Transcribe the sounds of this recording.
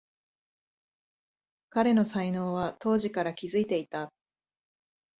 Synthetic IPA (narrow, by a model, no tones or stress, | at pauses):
kaɾe̞no̞saino̞ːβat̪o̞ːʑikaɾakʲizɨit̪e̞it̪a